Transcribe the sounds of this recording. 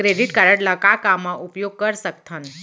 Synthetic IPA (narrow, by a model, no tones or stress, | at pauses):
kɾeɖiʈkaɾəɽlãkakamːãʔupjoɡ̚kəɾsək̚t̪ʰən